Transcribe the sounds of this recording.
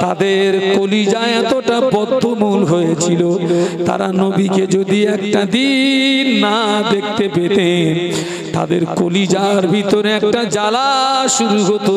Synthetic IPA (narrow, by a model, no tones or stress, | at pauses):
t̪ad̪eɾkolid͡ʑaɛt̪oʈabɔd̪ʱːomulɦojet͡ɕʰilot̪a̰ɾanobiked͡ʑod̪iɛk̚ʈad̪inːad̪ekt̪epet̪e | t̪a̰d̪eɾkolid͡ʑaɾbʱit̪oɾeɛkʈad͡ʑalaʃuɾuɦot̪o